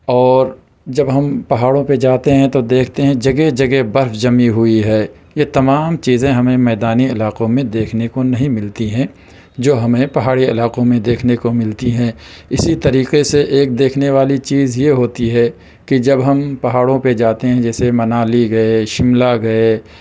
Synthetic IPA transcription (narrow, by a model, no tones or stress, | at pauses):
ɔːɾ | d͡ʒɐbɦɐmpɐɦaːɽõped͡ʒaːt̪eɦɛ̃t̪od̪eːkʰt̪eɦɛ̃d͡ʒɐɡed͡ʒɐɡebɐɾfd͡ʒɐmiɦʊiɦɛː | jet̪ɐmaːmt͡ʃiːzẽɦɐmẽmɛːd̪aːniɪlaːqõmẽd̪eːkʰnekonɐɦĩmɪlt̪iɦɛ̃ | d͡ʒoːɦɐmẽpɐɦaːɽiɪlaːqõmẽd̪eːkʰnekomɪlt̪iɦɛ̃ːɪsit̪ɐɾiːqeseʔeːk̚d̪eːkʰneʋaːlit͡ʃiːzjeɦoːt̪iɦɛ | kid͡ʒɐbɦɐmpɐɦaːɽõped͡ʒaːt̪eɦɛ̃d͡ʒɛːsemɐnaːliɡɐeʃɪmlaɡɐe